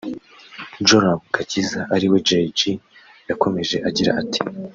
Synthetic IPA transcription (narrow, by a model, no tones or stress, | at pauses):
d͡ʒoɾabɡ̥acizaʔaɾiwe̞d͡ʒed͡ʒi | jako̞me̞ʒe̞ʔaɟiɾa̰ʔati̥